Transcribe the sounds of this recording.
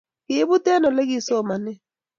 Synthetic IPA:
kɪ˨˦βu˦tɛ˦nɔ˨lɛ˦ki˨˦sɔ˦˨ma˨nɛ˦

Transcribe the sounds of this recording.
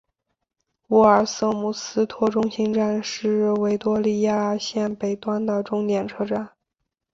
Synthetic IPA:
u˧˥ə˞˨˩sɤ˥˩mu˨˩sɹ̩˥t̪ʰwɔ˥˧ʈ͡ʂʊ˥ŋɕi˥ŋʈ͡ʂa˥˧nʂɻ̩˥˩we˧˥ɪt̪wɔ˥li˥˧ja˥ɕjɛ˥˩npe˨˩ɪt̪wa˥nd̪ə˨ʈ͡ʂʊ˥ŋt̪jɛ˨˩nʈ͡ʂʰɤ˥ʈ͡ʂa˥˩n

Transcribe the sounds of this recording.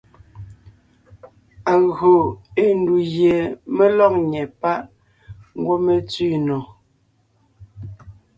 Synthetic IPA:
a˨ɣo˨e˦n˦du˨ɣje˨me˦lɔ˦k̚ɲɛ˨pa˦ʔ | ŋ̩˦ɡwo˦me˦t͡sɥi˦˨nɔ˨

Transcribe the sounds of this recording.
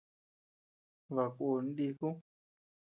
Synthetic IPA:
βa˨kʷo˨n̩˦ɗi˧ku˦

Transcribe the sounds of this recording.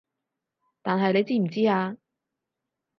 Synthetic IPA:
t̪aː˨nɦɐ˨jne˨˧jt͡siː˥m̩˨˩t͡siː˥aː˧

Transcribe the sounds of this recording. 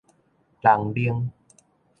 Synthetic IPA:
la˨˩˦ŋli˧əŋ

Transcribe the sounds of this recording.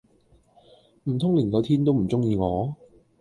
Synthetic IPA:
m̩˨˩t̪ʰʊ˥ŋliː˨˩nkɔː˨˧t̪ʰiː˥nt̪o˥wm̩˨˩t͡sʊ˥ŋjiː˧ŋɔː˨˥

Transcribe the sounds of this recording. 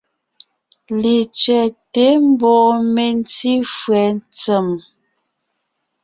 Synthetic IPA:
le˨t͡sɥɛ˨te˨˦m˦bɔ˨ʔme˨n˦ti˦fwɛ˨n˦t͡sə˨m

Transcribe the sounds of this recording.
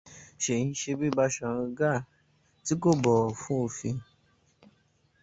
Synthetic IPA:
ʃe˨ĩ˧˦ʃe˧bi˦ba˧ʃã˨ɾ̩̃˧ɡa˦˨ | ti˨˦ko˦˨bɔ˨fũ˦o˦˨fĩ˧

